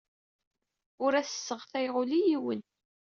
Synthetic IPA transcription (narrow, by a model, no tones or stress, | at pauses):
ʊɾæθə̥sːəʁθæjʁʊlijiwən